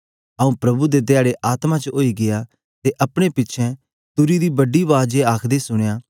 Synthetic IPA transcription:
ɐũpɾɐbud̪et̪eaːɽeʔaːt̪mãt͡ʃəʔoːiɡɪja | t̪eʔɐpɽ̃epɪtːʃʰɛ̃ | t̪ʊɾid̪ibɐɖːiʋaːd͡ʒeaːkʰd̪esʊɽ̃jaː

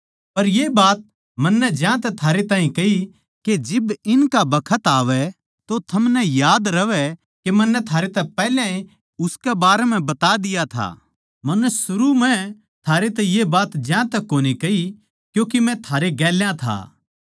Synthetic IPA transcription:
pɐɾjeːbaːt̪̚ | mɐnːɛd͡ʒjãt̪ɛt̪ʰaːɾet̪ãːĩkɐɦi | ked͡ʒɪbɪnkabɐkʰət̪aːʋɛ | t̪ot̪ʰɐmnɛjaːd̪ɾɐʋɛ | kemɐnːɛt̪ʰaːɾet̪ɛpɛːljãi | ʊskɛbaːɾɛm̤ɛ̃bɐt̪ad̪ɪjat̪ʰa̰ː | mɐnːɛsʊɾumɛ̃ | t̪ʰaːɾet̪ɛjebaːt̪d͡ʒjãːt̪ɛkːoːnikɐɦi | kjõːkimɛ̃t̪ʰaːɾeɡɛːljãt̪ʰa̰ː

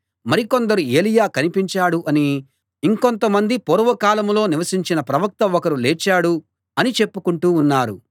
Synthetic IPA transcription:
mɐɾiko̞nd̪ɐɾue̞ːlijaːkɐnipiɲt͡ʃaːɽuʔɐniː | ŋko̞nt̪ɐmɐnd̪ipoɾʋɐkaːlɐmlo̞ːniʋɐsiɲt͡ʃinɐpɾɐʋɐk̚t̪ɐɔkɐɾuleːt͡ʃːaːɽu | ɐnit͡ʃe̞pːukuɳʈuːnːaːɾu

